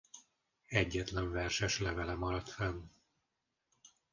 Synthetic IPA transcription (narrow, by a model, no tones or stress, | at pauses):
ɛɟːɛt̪lɛɱvɛrʃɛʃlɛvɛlɛmɒɾɒt̪fɛn